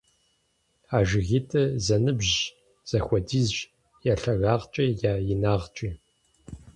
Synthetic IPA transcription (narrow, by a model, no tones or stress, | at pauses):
aːʒɪɣiːtʰɨzɐnɨbʑ | z̥ɐxʷɔdiːzɕ | jaːɬɐɣaːʁt͡ʃʼijaːjɪnaːʁt͡ʃʼiː